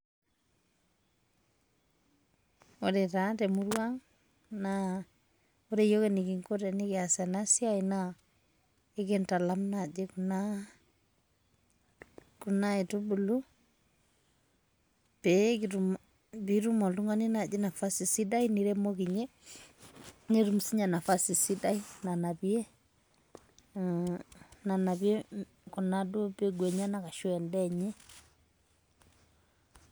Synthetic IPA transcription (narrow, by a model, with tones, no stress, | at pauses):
odɛ˨ta˨tɛ˨mu˦ɾwaŋ | na | o˦ɾe˨jo˦keniki˨ŋko˦ɾɛ˨nɪkɪa˨sɛ˨na˦si˦aina | ɪ˦kɛnta˨lamnad͡ʒe˦kuna | ku˨nae˨tu˦bu˨lu˦ | pekiɾum | biɾu˦mɔ˨lu˦ŋa˦ni˦na˨d͡ʒe˦na˨fa˦si˨si˦da˦ini˦ɾɛ˦mokiɲe˦ | ne˦ɾumusi˦ɲa˨na˨fa˦si˨si˦da˦i˦na˨na˨βje˦ | na˨na˨βje˦ | ku˨na˦du˦pe˦ɡwɛ˨ɲa˦na˨ka˨ʃwɛ˨ndɛɲɛ˦